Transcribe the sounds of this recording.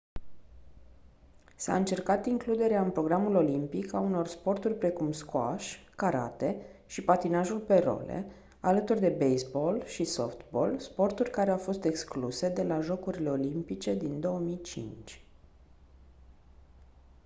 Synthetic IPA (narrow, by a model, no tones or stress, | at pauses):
sa̰ɨnt͡ʃe̞rkat̪iŋklud̪e̞ɾeaɨnpɾo̞ɡɾamulo̞limpikauno̞rspo̞rt̪urʲpɾe̞kumskwa̰ʃ | kaɾa̰t̪e̞ʃipat̪inaʒulpe̞ro̞̰lḛ | alət̪urd̪e̞bejsbo̞lʃiso̞̰ft̪bo̞̰lspo̞rt̪urʲkaɾeawfo̞st̪e̞kskluse̞d̪e̞laʒo̞kuɾile̞o̞limpit͡ʃe̞d̪ind̪o̞omijt͡ʃḭnt͡ʃʲ